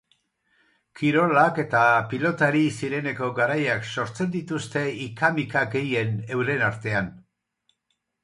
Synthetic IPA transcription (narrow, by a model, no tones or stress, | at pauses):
kiɾo̞lake̞t̪apilo̞t̪aɾisiɾe̞ne̞ko̞ɡaɾajakso̞ɾt͡se̞nd̪it̪ust̪e̞ikamikaɡe̞je̞ne̞wɾe̞naɾt̪e̞an